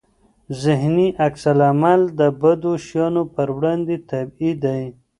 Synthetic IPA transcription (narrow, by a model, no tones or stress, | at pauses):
zɪɦniʔaksalamald̪əbad̪oʃjɑnopəɾwɽɑnd̪et̪abid̪aj